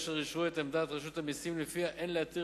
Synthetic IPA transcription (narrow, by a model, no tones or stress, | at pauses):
ʃeʁiʃʁuet̪emd̪aːt̪ʁaʃut̪hamisimlefiaʔenleat̪i